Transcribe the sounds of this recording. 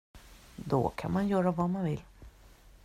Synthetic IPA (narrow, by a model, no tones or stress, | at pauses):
d̪ɔ̰kʰa̰nmanjœːɾavamanvɪl